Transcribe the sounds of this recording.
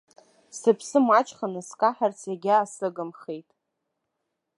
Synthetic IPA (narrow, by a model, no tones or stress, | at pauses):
sɨpʰsɨmat͡ʃʼχanɨskʼaħart͡sʰaɡʲaːsɨɡɨmχejtʼ